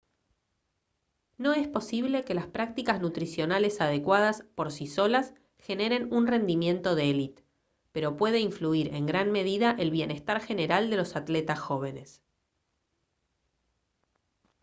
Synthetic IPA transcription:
no̞e̞spo̞siβ̞le̞ke̞laspɾak̚t̪ikaznut̪ɾisjo̞nale̞saðekwað̞aspo̞ɾsiso̞las | xe̞ne̞ɾe̞nunre̞nd̪imjẽ̞nt̪o̞ðeelit̪ | pe̞ɾo̞pwe̞ðeiɱfluiɾeŋɡɾanme̞ð̞iðaʔe̞lβje̞ne̞st̪aɾxe̞neɾald̪e̞lo̞sat̪let̪asxo̞β̞e̞ne̞s

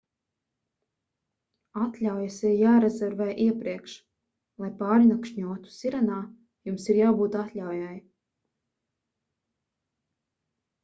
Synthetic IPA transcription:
at̪lʲawjasiɾjaːɾɛzɛɾvɛːʔiɛpɾiɛkʃ | lˠajpaːɾnakʃɲuɔt̪u̥sʲiɾanaː | jumsiɾjaːbuːt̪at̪lʲawjaj

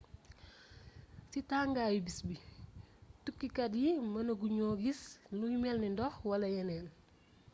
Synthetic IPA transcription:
sitaːŋɡaːjibisbi | tukːikɐdjimɐnɐɡuɲɔːɡisnujmɛlnindɔxwɐlɐjɐnɛːn

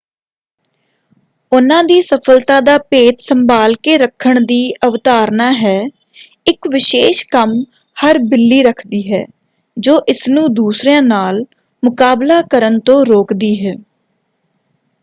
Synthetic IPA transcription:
ʊnãːd̪iːsəpʰəlt̪aːd̪aːpeːt̪səmbaːlkeːɾəkʰːəɳd̪iːəʋt̪aːɾnaːɦɛː | ɪkʋɪʃeːʃkəm | həɾbɪlːiːɾəkʰd̪iːɦɛ̰ː | d͡ʒoːʔɪsnũːd̪uːsɾjãːnaːl | mʊkaːblaːkəɾənt̪õːɾoːkd̪iːɦɛː

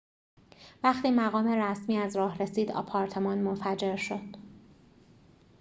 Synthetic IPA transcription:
væxt̪ʰiːmæɣɒːme̞ɾæsmiːæzɾɒːhɾe̞siːd̪ɒ̰pʰɒːɾt̪ʰe̞mɒːnmonfæd͡ʒe̞ɾʃo̞d̪̥

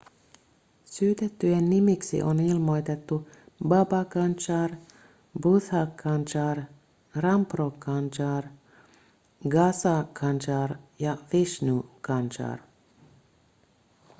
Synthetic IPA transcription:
syːt̪et̪ːyenːimiksḭʔonilmo̞jt̪et̪ːubɑbɑkɑnt͡ʃɑːr | buθɑkʰːɑnt͡ʃɑːr | rɑmprokɑnt͡ʃɑːr | ɡɑsɑkʰɑnt͡ʃɑːrjɑfiʃnukʰɑnt͡ʃɑ̰ːr

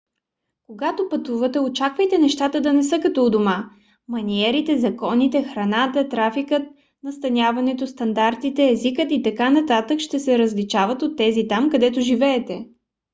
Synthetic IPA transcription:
koɡat̪opɐt̪uvət̪ɛot͡ʃakvəjt̪ɛnɛʃt̪at̪əd̪ɐnɛsɤkɐt̪ɔd̪oma | mɐniɛɾit̪ɛzɐkɔnit̪ɛxɾɐnat̪ət̪ɾafikət̪̚ | nɐst̪ɐnʲavɐnɛt̪ost̪ɐnd̪aɾt̪it̪ɛːzikət̪it̪ɐkanɐt̪at̪əkʃt̪ɛsɛɾəzlit͡ʃavət̪ot̪ːɛzit̪amkɐd̪ɛt̪oʒivɛːt̪ɛ

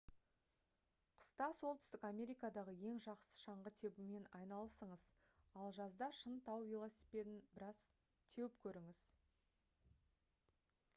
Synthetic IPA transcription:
qʰʊ̥st̪ɑso̞lˠt̪ʏ̥st̪ɪkamʲe̞ɾijkɑd̪ɑʁəje̞ŋʒɑqsə̥ʃɑɴʁət̪ʰe̞bɪme̞nɑjnɑlˠəsəɴəz | ɑlˠʒɑzd̪ɑʃənt̪ʰɑwvʲilˠosipʲed̪ɪnbɪɾɑz̥ | t̪ʰe̞wɪpkʲʰɵɾɪŋɪz̥

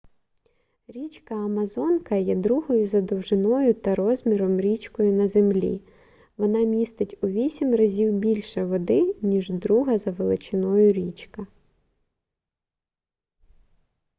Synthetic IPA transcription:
ɾʲit͡ʃkɐːmɐzɔnkɐjɛd̪ɾuɦɔjʊzɐd̪ɔwʒɪnɔjʊt̪ɐɾɔzʲmʲiɾɔmɾʲit͡ʃkɔjʊnɐzemlʲḭ | ʋɔnɑmʲist̪ɪtʲʊʋʲisʲimʲrɐzʲiwbʲilʲʃɛʋɔd̪ɪnʲiʒd̪ɾuɦɐzɐʋelˠɪt͡ʃɪnɔjʊɾʲit͡ʃkɐ

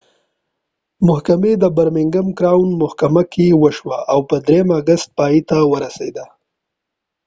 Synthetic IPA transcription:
mʊhkamed̪əbaɾmɪŋɡamkɾawnmʊhkamakewəʃwaʔawpəd̪ɾejəmaɡast̪̚pɑjit̪awəɾasḛd̪a

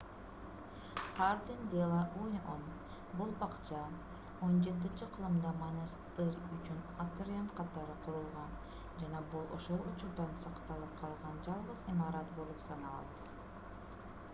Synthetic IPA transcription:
haɾd̪ind̪ʲelˠɑʔujon | bulˠbɑqt͡ʃɑn | o̞nd͡ʒe̞t̪̬int͡ʃiqʰɯlˠɯmd̪ɑmanɯst̪eɾʲyt͡ʃynat̪oɾʲianqʰɑt̪ɑɾɯqʰuɾulˠʁɑn | d͡ʒɑnɑbulˠo̞̰ʃo̞lˠut͡ʃuɾd̪ɑnsɑqt̪ɑlˠɯp̚qʰɑlˠʁɑnd͡ʒɑlˠʁɯzimɑɾɑt̪bo̞lˠupsɑnɑlˠɑ̰t̪

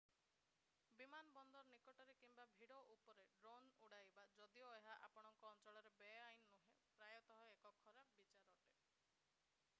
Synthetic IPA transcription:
bimanbɔnd̪ɔɾnikɔʈɔɾekimbabʱiɽɔʔupɔɾeɖɾonuɽajbad͡ʒɔd̪ioeɦaʔapɔɽ̃ɔŋkɔːnt͡ʃɔɭɔɾebeajnːuɦẽpɾajɔt̪ɔɦɔekɔkʰɔɾabbit͡ʃaɾɔʈe

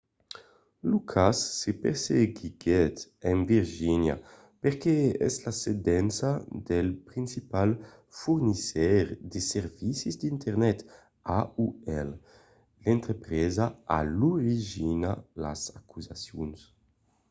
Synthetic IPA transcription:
lukʰasːepeɾseɡiɡɛt̪enviɾʒinja̰ | peɾkeɛ̰zlased̪ɛnsad̪elpɾinsipal | fuɾnisɛɾd̪eseɾvisizd̪int̪eɾnɛt̪ | auɛl | lent̪ɾepɾezaa̰luɾiʒinala̰zakuzasjuns

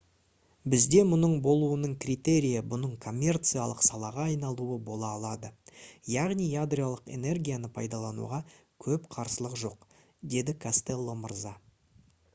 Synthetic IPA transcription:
bɪzd̪e̞mʊnəɴbo̞lˠuənəɴkrʲit̪e̞ɾʲijəbʊnəɴkʰo̞mʲːe̞rt̪sɨjalˠəqsɑlˠɑʁɑːjnɑlˠuəbo̞lˠɑːlˠɑd̪əjɑʁnijjad̪ɾʲijalˠəqe̞̰ne̞rɡʲijanəpʰɑjd̪ɑlˠɑnṵʁɑkʲʰɵpqʰɑɾsəlˠəqʒo̞q | d̪e̞d̪ɪkʰast̪e̞lˠːo̞məɾzɑ

